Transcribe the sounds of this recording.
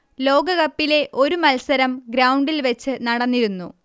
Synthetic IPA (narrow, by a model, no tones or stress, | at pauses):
lo̞ːɡɐɣɐpːile̞ʔo̞ɾumɐlsɐɾɐmɡɾɐwɳɖilʋɐt͡ɕːɨnɐɽɐnːiɾunːu